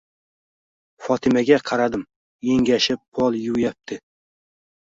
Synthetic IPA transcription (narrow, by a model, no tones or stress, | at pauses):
fɒt̪ʰɪmaɡʲaqʰɑɾad̪ɪm | jeŋɡʲaʃɪpʰːɒlˠjʊwjap̚t̪ʰɪ